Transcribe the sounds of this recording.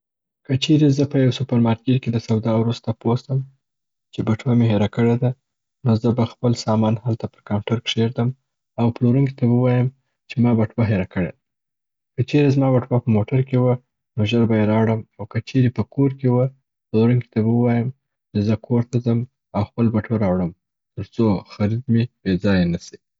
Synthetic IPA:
kət͡ʃeɾezəpəjawsʊpaɾmɑɾk̚kiɾked̪əsawd̪ɑwɾust̪apost̪əm | t͡ʃebaʈwameɦeɾakəɽed̪a | nozəbaxpəlsɑmɑnhalt̪apəɾkawʈaɾkʂeɾd̪əm | awploɾuŋk̬it̪awwɑjəm | t͡ʃemɑbaʈwaɦeɾakəɽḛd̪a | kət͡ʃeɾezmɑbaʈwapəmoʈaɾkewə | noʒəɾbajeɾɑwɽəmawkət͡ʃeɾepəkoɾkewə | ploɾuŋki̥t̪abawəwɑjəm | t͡ʃezəkʰoɾt̪azəm | awxpəlbaʈwaɾɑwɽəm | t̪əɾt͡soxaɾid̪meb̥ed͡zɑjanasi̥

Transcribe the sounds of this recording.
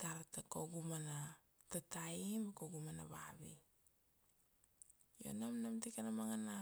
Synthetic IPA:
taɾtakoɡumana | tataimakoɡumana̰βaβḭ | jo̞̰namnamtikanamaŋana

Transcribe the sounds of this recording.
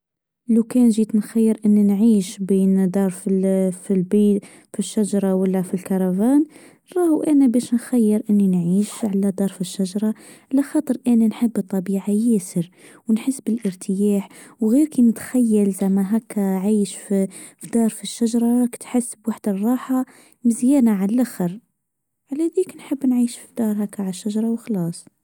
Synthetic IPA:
lawkænʒiːt̪nxæjːəɾʔənːinʕiːʃbiːnd̪ɑɾˤffilbi | fiʃːaʒɑɾˤɑwəlːæfilkɑɾˤɑvæːn | ɾˤɑhuʔænæbæʃnxæjːəɾʔənːinʕiːʃʕalæd̪ɑɾˤfiʃːaʒɑɾˤɑʕlæxɑːt̪ˤəɾʔænænħəbːt̪ˤːɑbiːʕajæːsəɾwnħəsːbɪlʔəɾt̪ʰəjaːħwɣiːɾkinɪt̪xæjːælzæmːæɦækːæʕiːʃfifid̪ɑːɾˤfiʃːaʒɾˤɑkt̪ħasːəbwaħd̪ərˤːɑːħa | mɪzjæːnaʕaʔaxəɾ | ʕalæd̪iːknħəbːnʕiːʃfid̪ɑːɾˤɦækːaʕaʃːaʒɑɾˤɑwxlɑːsˤ

